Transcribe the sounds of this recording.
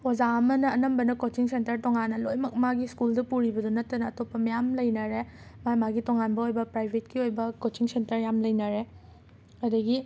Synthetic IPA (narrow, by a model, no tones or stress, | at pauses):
ozaɐmɐnɐːnɐmbɐnɐkot͡ʃiŋsentɐɾtɔŋanːɐlojmɐk̚maɡiskuldɐpuɾibɐdunɐtːɐnɐːtopːɐmɐjamlɐjnɐɾe | majmaɡitɔŋanbɐojbɐpɾajbʱetkiojbɐkot͡ʃiŋsentɐɾjamlɐjnɐɾe | ɐdɐɡi